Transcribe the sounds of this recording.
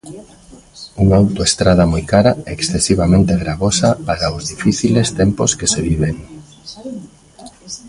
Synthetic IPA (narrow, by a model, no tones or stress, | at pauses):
uŋaawt̪oest̪ɾað̞ɐmojkaɾaeksθesiβ̞amẽnt̪eɣɾaβosapaɾaʊzðifiθilest̪emposkeseβiβeŋ